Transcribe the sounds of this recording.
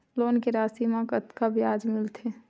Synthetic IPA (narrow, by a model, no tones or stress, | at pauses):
loːnkeɾaːsimãkət̪kabjaːd͡ʒmɪlt̪ʰe